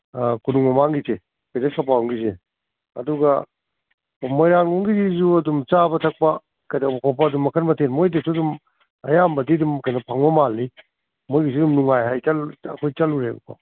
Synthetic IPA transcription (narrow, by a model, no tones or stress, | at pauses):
kunuŋmɐmaŋɡise | kedesʰapauŋɡize | ɐ̰duɡɐ | mojɾaŋuŋɡizizuɐdumt͡ʃabɐtʰɐk̚pɐ | kajdabɐpʰap̬ɐdumɐkʰɐnmɐtʰenmojdɐsʰudum | ɐ̰jambɐdidumkɐjnɐpʰaŋbɐmalːi | mojɡis̬idumnuŋajɦajt͡ʃɐlɐ̰kʰojt͡ʃɐluɾḛṵpʰa̰